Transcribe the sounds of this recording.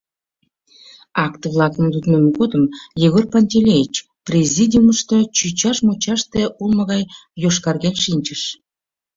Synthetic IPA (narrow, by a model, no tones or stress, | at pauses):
ɑkt̪βlˠɑkəmd̪ud̪nemɣod̪əmjeɣorpanʲt̪ʲelʲejit͡ɕ | prʲezʲid̪ʲiuməʃt̪ot͡ɕyt͡ɕɑʃmot͡ɕɑʃt̪eʔulməɣɑjjoʃkɑrɣenʃinʲt͡ɕəʃ